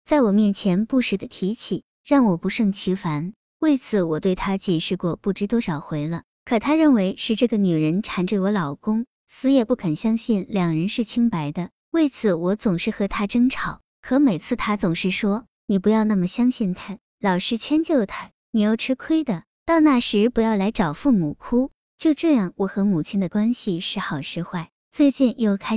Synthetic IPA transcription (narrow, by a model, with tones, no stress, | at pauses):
t͡sa˥˩ɪwɔ˨˩mjɛ˥˩nt͡ɕʰjɛ˧˥npu˥˩ʂɻ̩˧˥d̪ə˧t̪ʰi˧˥t͡ɕʰi˨˩˦ | ɻɑ˥˩ŋwɔ˨˩pu˧˥ʂɤ˥˩ŋt͡ɕʰi˧˥fa˧˥n | we˥˩ɪt͡sʰɹ̩˧˩wɔ˨˩t̪we˥˩ɪt̪ʰa˥t͡ɕjɛ˨˩ʂɻ̩˥˧kwɔ˥˧pu˥˩ʈ͡ʂɻ̩˥t̪wɔ˥ʂɑ˨˩ʊxwe˧˥ɪlə˧ | kʰɤ˨˩t̪ʰa˥ɻə˥˩nwe˧˥ɪʂɻ̩˥˧ʈ͡ʂɤ˥˩ɡə˩ny˨˩ɻə˧˥nʈ͡ʂʰa˨˩nʈ͡ʂə˥˩wɔ˧˥lɑ˨˩ʊkʊ˥ŋ | sɹ̩˥jɛ˥˧pu˥˩kʰə˨˩nɕjɑ˥ŋɕi˥˩nljɑ˨˩ŋɻə˧˥nʂɻ̩˥˩t͡ɕʰi˥ŋpa˧˥ɪd̪ə˧ | we˥˩ɪt͡sʰɹ̩˧˩wɔ˧˥t͡sʊ˨˩ŋʂɻ̩˥˩xɤ˧˥t̪ʰa˥ʈ͡ʂɤ˥ŋʈ͡ʂʰɑ˨˩˦ʊ | kʰɤ˧˥me˨˩ɪt͡sʰɹ̩˥˩t̪ʰa˥t͡sʊ˨˩ŋʂɻ̩˥˩ʂwɔ˥ | ni˨˩pu˧˥jɑ˥˧ʊna˥˩mə˩ɕjɑ˥ŋɕi˥˩nt̪ʰa˥ | lɑ˨˩ʊʂɻ̩˥˩t͡ɕʰjɛ˥nt͡ɕjo˥˩ʊt̪ʰa˥ | ni˨˩jo˥˩ʊʈ͡ʂʰɻ̩˥kʰwe˥ɪd̪ə˨ | t̪ɑ˥˧ʊna˥˩ʂɻ̩˧˥pu˧˥jɑ˥˩ʊla˧˥ɪʈ͡ʂɑ˨˩ʊfu˥˩mu˨˩kʰu˥ | t͡ɕjo˥˧ʊʈ͡ʂɤ˥˧jɑ˥˩ŋwɔ˧˥xɤ˧˥mu˨˩t͡ɕʰi˥nd̪ə˨kwa˥nɕi˨ʂɻ̩˥˩xɑ˨˩ʊʂɻ̩˥xwa˥˩ɪ | t͡swe˥˧ɪt͡ɕi˥˧njo˥˩ʊkʰa˥